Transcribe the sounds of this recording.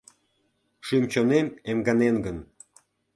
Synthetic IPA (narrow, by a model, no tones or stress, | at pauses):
ʃymt͡ɕonememɡɑnenɡən